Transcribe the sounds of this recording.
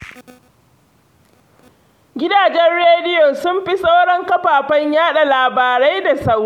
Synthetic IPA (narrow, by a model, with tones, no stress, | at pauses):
ɡʲɪ˦daː˨d͡ʒɛ˦nɽeː˦dɪ˦jo˨sʊ˦mɸi˦sa˦wɽɐ˦ŋkɐ˦ɸaː˨ɸɐ˦ɲjaː˦ɗa˨laː˨baː˨ɾa˦jda˨sɐ˦w